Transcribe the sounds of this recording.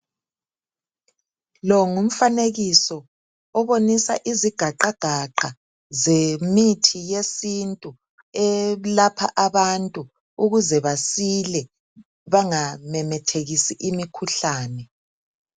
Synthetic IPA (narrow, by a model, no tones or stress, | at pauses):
lɔŋum̩faneɣisɔ | ɔβonisa̰ʔiziɡ̥ʱaǃaɡ̥ʱaǃa | zemitʰijesintʼu | ɛlapʰa̰ʔaβantʼu | uɣuzɛβasilɛ | βaŋamɛmɛtʰeɣisiʔimikʰuɬaːnɛ